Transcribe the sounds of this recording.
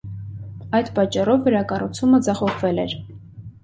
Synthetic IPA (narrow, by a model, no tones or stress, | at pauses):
ɑjd̪pɑt͡ʃːɑrɔvːəɾɑkɑrut͡sʰuməd͡zɑχɔʁvɛlɛɾ